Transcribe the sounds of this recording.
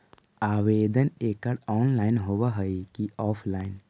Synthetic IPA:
aːʋeːd̪əneːkəɽɔːnlaːɪnɦoːwaɦəikiɔːpʰlaːɪn

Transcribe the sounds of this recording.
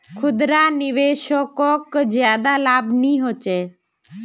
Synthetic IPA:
kʰʊd̪ɾaːnɪʋeːʃokoːkd͡ʒjaːd̪aːlaːbnĩːɦoːt͡ʃeː

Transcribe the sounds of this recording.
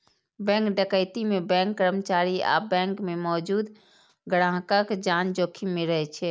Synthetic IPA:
bɛ̃ŋkɖəkəɪt̪imebɛ̃ŋkːəɾəmət͡ʃaɾia̰bɛ̃ŋkmemɔːd͡ʒuːd̪ | ɡəɽãɦkəkd͡ʒand͡ʒokʰimeɾəɦɛt͡ʃʰɛ

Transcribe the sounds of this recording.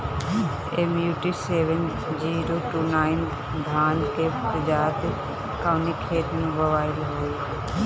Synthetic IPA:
eːmjuːʈiseːʋən | d͡ʒiːɾoːʈuːnaːɪn | d̪ʱaːnkeɾəd͡ʒaːt̪ | kaːʊnikʰeːʈnẽʋəʋaːɪlɦoːi

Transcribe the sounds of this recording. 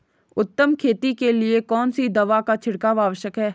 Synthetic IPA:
ʊt̪ːəmkʰeːt̪ikeliekɔːnsid̪ɐʋakat͡ʃʰɪɽkaʋaːʋəʃjəkɦɛː

